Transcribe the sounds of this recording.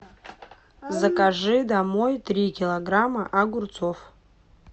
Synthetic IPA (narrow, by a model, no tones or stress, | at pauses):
zəkaʐɨd̪amojt̪ɾʲikʲɪlˠɐɡɾaməʔaɡurt̪sof